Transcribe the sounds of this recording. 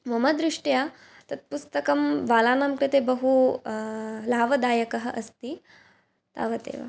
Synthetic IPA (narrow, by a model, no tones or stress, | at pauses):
ʋɐmɐd̪ɾɪʂʈjaː | t̪ɐt̪̚pust̪ɐkɐmʋaːlaːnaːmkɾɪt̪eːbɐɦu | laːʋɐd̪aːjɐkɐɦɐ̆ʔɐst̪i | t̪a̰ːʋɐt̪ḛːʋɐ̰